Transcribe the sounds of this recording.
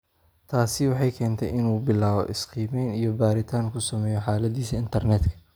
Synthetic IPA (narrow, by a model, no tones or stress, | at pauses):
t̪ʰaːsɪwɑħɑjkʰɛːnt̪ʰɛ̰jʔɪnuːbɪlaːβɔ̰ʔɪsqiːmɛjnijɔbaːɾɪt̪ʰaːŋkʰʊsɐmɛːjɔħaːlɐðiːsɐɪnt̪ʰɐrnɛːd̪kʰɐ̥